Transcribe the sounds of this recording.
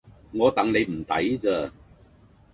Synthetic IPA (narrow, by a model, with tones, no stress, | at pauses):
ŋɔː˨˧t̪ɐ˨ŋne˨˧jm̩˨˩t̪ɐ̰˨˥jt͡səː˧